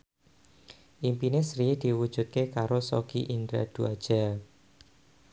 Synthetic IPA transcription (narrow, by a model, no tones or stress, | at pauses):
ʔimpinesɾid̪̥i̤wud̥ʒ̥ṳt̪̚kekaɾosoɡ̥ḭʔind̪ɾa̰d̪̥ua̰d̥ʒ̥al